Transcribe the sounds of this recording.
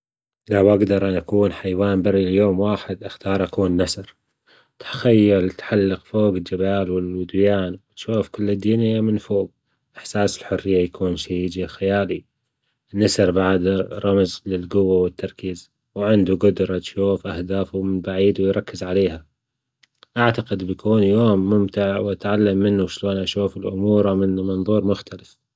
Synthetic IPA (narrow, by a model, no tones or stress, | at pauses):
lawʔaɡd̪ɑɾˤʔanʔakuːnħajwaːnbarːiljoːmwaːħɪd̪ʔɪxt̪ɑːɾˤʔakuːnːasɾ | t̪xajːalt̪ħalːɪqfoːɡɪld͡ʒabaːlwɪlwʊd̪jaːnwɪt̪ʃuːfkɪlːɪd̪ːiːnɪjːamɪnfoːɡ̚ | ʔɪħsaːsɪlħʊrːɪjːajakʰuːnʃad͡ʒixajaːli | nasɪɾˤbaʕd̪ɾˤɑmzlɪlɡʊwːawɪt̪ːɑɾˤkiːz | wʕɪnd̪uɡʊd̪ɾˤɑt̪ʃuːfʔahd̪aːfumɪnbaʕiːd̪wɪjɾˤɑkːɪzʕaleːha | ʔaʕt̪aqɪd̪bjakuːnjoːmːʊmt̪ɪʕwʔat̪ʕalːamːɪnːuʃloːnʔaʃuːfɪlʔʊmuːɾˤamɪnmɑnðˤuːɾˤmʊxt̪alɪθ